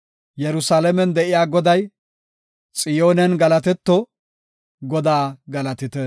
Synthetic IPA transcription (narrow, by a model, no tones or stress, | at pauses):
jɛɾʊsaːlɛmɛnd̪ɛʔɪjaːɡɔd̪ɐj | t͡sʼɪjoːnɛnɡɐlɐt̪ɛt̪ːɔ | ɡɔd̪aːɡɐlɐt̪ɪt̪ɛ